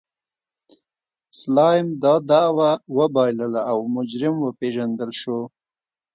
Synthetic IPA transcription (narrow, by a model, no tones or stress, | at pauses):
slɑjmd̪ɑd̪ɑwawəbɑjləlaːwmʊd͡ʒɾɪmwəpeʒand̪əlʃo